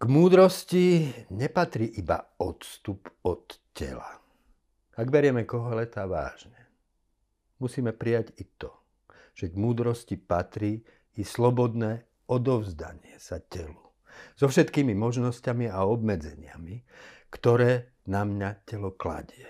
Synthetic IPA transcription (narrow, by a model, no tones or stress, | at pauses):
ɡ̥muːd̪ɾɔsciɲɛpat̪ɾiːʔiba̰ɔt̪st̪upɔt̪ | cɛ̰la̰ | aɡbɛɾɪɛmɛkɔɦɔlɛt̪aːʋa̰ːʒɲɛ | musiːmɛpɾijaɟit̪ɔ | ʒ̥ɛɡmuːd̪ɾɔscipat̪ɾiː | slɔbɔd̪nɛː | ɔd̪ɔʊzd̪a̰ɲɪɛsacɛlu | z̥ɔfʃɛt̪kiːmimɔʒnɔscamiaɔbmɛd͡zɛɲɪamikt̪ɔɾɛː | namɲacɛlɔkla̰ɟɪɛ